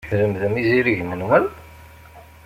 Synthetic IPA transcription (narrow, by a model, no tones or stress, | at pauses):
ɾəmðəmiziɾiʝmənwæl